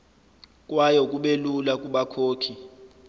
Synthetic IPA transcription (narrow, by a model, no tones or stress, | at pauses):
kʼwajɔkʼuɓelulak̬ʼuɓakʰoːkʰi